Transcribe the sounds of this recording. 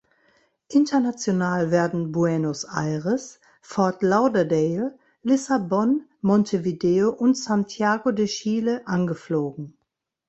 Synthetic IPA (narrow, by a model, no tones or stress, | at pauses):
ʔɪntɐnat͡sjonaːlvɛːɐdn̩buɛnosʔa̰ɪʁəs | fɔɐtlaʊdɐdɛː | lɪsabɔnmɔntʰevideːoʔʊntsantʰjaːɡodeːɐʃiːləʔanɡəfloːɡŋ̩